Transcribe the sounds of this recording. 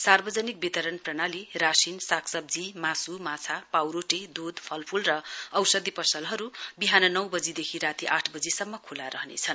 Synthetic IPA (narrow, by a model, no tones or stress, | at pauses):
sarbʌd͡zʌnik̚bit̪ʌɾʌnprʌnalirasinsaksʌb̚d͡zimasumat͡sʰapawɾoʈed̪ud̪pʰʌlpʰulrʌʌwsʌd̪ipʌsʌlɦʌɾubiɦanʌnʌwbʌd͡zid̪ekʰiɾat̪iʔaʈʰbʌd͡zisʌmːʌkʰulaɾʌɦnḛt͡sʰʌn